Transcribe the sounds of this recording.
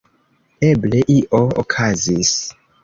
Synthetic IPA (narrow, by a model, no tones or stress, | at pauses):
eble̞ʔiʔoo̰kʰazis